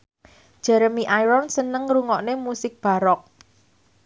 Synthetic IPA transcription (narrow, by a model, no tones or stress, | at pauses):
d̥ʒ̥ɛɾəmiʔajɾɔnsənəŋruŋɔʔnemusɪk̚b̥a̤ɾɔk̚